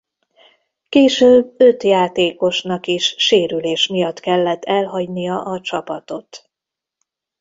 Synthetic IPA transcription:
keːʃøːbø̞t̪jaːt̪eːko̞ʃnɒkiʃːeːɾyleːʃmijɒt̪ːkɛlːɛt̪ːɛlɦɒɟnijɒʔɒt͡ʃɒpɒt̪o̞t̪

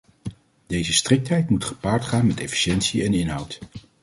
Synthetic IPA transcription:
dejzəstrɪk̚tɦɛjtmutχə̥paːɹtχaːnmɛtɛfi̥ʃɛntsiɛnɪnɦʌwt

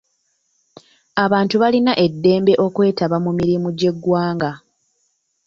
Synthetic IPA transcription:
aβaːntuβalinaʔe̞dːe̞ːmbe̞ʔo̞kwe̞ːtaβamumiɾimuɟe̞ɡːwaːŋɡa

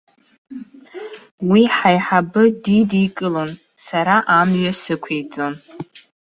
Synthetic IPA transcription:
wiħajħabɨdidikʼɨlon | saɾaʔamɥasɨkʷʰejt͡sʼon

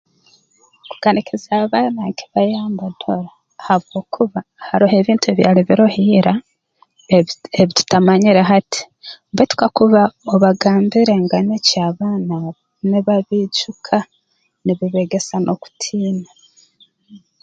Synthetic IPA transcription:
ku̥ɡ̥anekʰezaːβaːnaki̥βajaːmbadoɾa | haβɡo̞ːkʰuβahaɾoɦe̞βiːntue̞βja̰ːliβiɾohiːɾa | eβitu̥tamaɲiɾeɦati̥ | mbetu̥kakuβaoβaɡaːmbiɾe̞ŋɡanecaːβaːna | niβaβiːɟukʰa | niβiβeɡe̞sanʔo̞ku̥tʰiːna

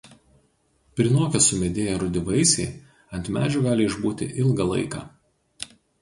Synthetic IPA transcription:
pʲɾʲɪnoːkʲɛsʊmʲɛd̪ʲeːjɛɾʊd̪ʲɪʋɐɪsʲɛɪ | ɐnʲt̪ʲmʲæ̰ːd͡ʒʲuɡɑːlʲɪɪʒbuːt̪ʲɪ̰ʔɪlˠɡɐlˠɐ̰ɪkɑ̰ː

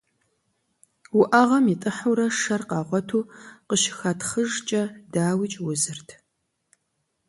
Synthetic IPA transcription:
wʊʔaʁɐmiːtʼɨħuɾɐʂɐrqɑːʁʷɔtʰuːqəʃɪ̥xatχəʒt͡ʃʼɐdaːwiːt͡ʃʼwʊzɨrtʰ

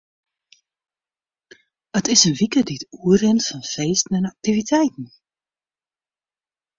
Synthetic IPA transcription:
ətɪsənʋikədiətuərɪntfɔnfeːstən̩ɛnak̚tivitʰɛjtn̩

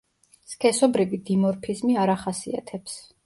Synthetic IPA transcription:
skʰʼɛsɔbɾivid̪imɔɾpʰizmiaɾaχasḭa̰t̪ʰɛps

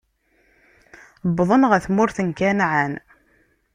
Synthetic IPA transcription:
bðˤənʁæθmʊɾθənkænʕan

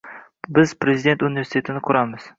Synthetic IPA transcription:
bɪz̥pɾe̞zid̪e̞nt̪unɪvesit̪ʰe̞t̪ʰɪnɪkʰʊɾamɪz̥

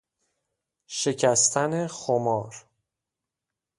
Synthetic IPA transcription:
ʃe̞cʰæst̪ʰænexomɒːɾ

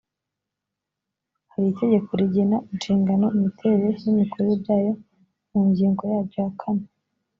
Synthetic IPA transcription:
haɾite̞ɟe̞koɾiɟenaʔinʃiːŋɡano̞imitʰeɾejimikoɾoebjaːjo̞ | muːɲɟiːŋɡo̞jaːbɟohakʰane

